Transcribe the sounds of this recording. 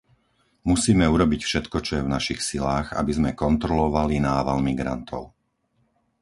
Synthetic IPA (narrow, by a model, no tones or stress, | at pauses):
musiːmɛuɾɔbicfʃɛt̪kɔt͡ʃɔjɛvnaʃixsilaːɣa̰bizmɛkɔnt̪ɾɔlɔʋalinaːʋalmiɡɾa̰nt̪ʰɔʊ